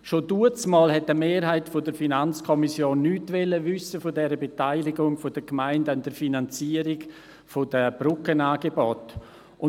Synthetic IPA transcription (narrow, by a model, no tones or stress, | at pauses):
ʃoduət͡smɑːlɦɛtːəmeːɾɦaɪtfodəɾfinant͡skʰɔmisjoːnːyːtvɛləvʏsəfodɛɾəbetaɪlɪɡʊŋfod̥əkmaɪndand̥əɾfinant͡siəɾɪɡ | fod̥əb̥ɾʊkənaːɡebɔt | ʊ